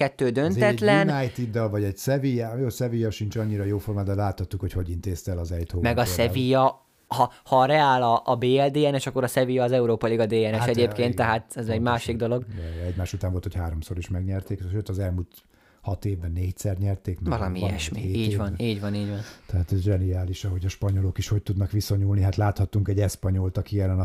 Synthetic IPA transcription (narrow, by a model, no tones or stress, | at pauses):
ɛt̪ːøːd̪ønt̪ɛt̪lɛnnajt̪id̪ːɒlvɒɟɛɟsɛvijɛjoːsɛvijɒʃint͡ʃɒɲːiɾɒjoːformaːd̪ɛlaːt̪hɒt̪ːukhocho̞ɟint̪eːst̪ɛlɒzɛjt̪hoːmɛɡɒsɛvijɒ | hɒhɒɾɛaːlɒʔːbeːɛld̪eːɛnɛʃɒkːoɾɒsɛvijɒːzɛuɾoːpɒliɡɒd̪eːɛnɛʃɛɟeːpkeːnt̪ːɛɦaːt̪ɛzɛɟmaːʃiɡd̪o̞lo̞ɡɛɛɟmaːʃut̪aːɱvo̞lt̪ʰochaːɾo̞mso̞ɾiʃmɛɡɲɛrt̪eːkʃøːt̪ɒzɛlmult̪ | hɒt̪eːvbɛnːeːc̚sɛrt̪ɲɛrt̪eːknvɒlɒmiɛ̰ʃmiiːɟvɒniːɟvɒniːɟʋɒnt̪ɛɦaːt̪ɛzɛʒɛniaːliʃɒɦo̞ɟɒʃpɒɲo̞lokiʃho̞c̚t̪ud̪nɒkʋisoɲulniɦat̪laːt̪hɒt̪ːuŋkɛɟɛspɒɲo̞lt̪ɒkiɛlːɛnɒ